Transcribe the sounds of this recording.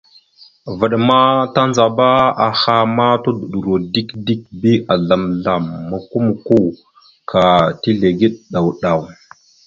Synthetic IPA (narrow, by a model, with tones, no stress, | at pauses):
və˨ɗma˦ta˦nza˨ba˦a˨xa˦ma˦to˦du˨ɗu˨ɾo˨di˦kdi˦k̚bi˦a˨ɮa˨mɮa˨mːa˨ku˦mu˨ku˦ | kʰa˨ti˦ɮe˨ɡi˦ɗɗa˨wɗa˨w